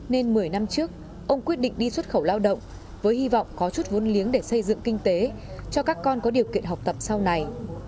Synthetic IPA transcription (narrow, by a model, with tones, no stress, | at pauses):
ne˧nmɨ˨˩əjna˧mt͡ɕɨ˦˥ək̚ | ʔə˧wŋ͡mkwət̚ɗḭ˧˨ŋ̟ɗi˧swə˦˥t̚xə˧˩wlaː˧wɗə̰˧˨wŋ͡m | vəː˨˦jhi˧vɔ̰˧˨wŋ͡mkɔ˨˦t͡ɕu˦˥t̚vo˨˦nli˨˦ənɗe˧˩sə˧jzɨ̰˧˨ŋkï˧ŋ̟t̪e˨˦ | t͡ɕɔ˧kaː˦˥kːɔ˧nkɔ˨˦ɗi˨˩əwkḭ˧˨ənɦa˨˩wk͡p̚t̪ə˨˩p̚sa˧wna˨˩j